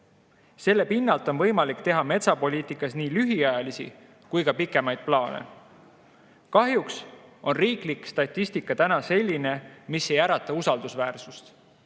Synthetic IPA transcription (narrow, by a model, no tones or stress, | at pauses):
se̞lːe̞pinːɑlt̪ːˑo̞nvɤ̞jmɑlikt̪e̞ɦɑme̞t̪sɑpo̞lʲiːt̪ˑikːˑɑsniːlyɦiɑjɑlisḭ | kujkɑpikːˑe̞mɑjd̪̥̚plɑːnḛ | kɑɦjukso̞nriːklikːˑst̪ɑt̪ʲˑːist̪ikːˑɑt̪ænɑse̞lʲːine̞misːe̞jæɾɑt̪ːˑɑusɑld̪usvæːrsust̪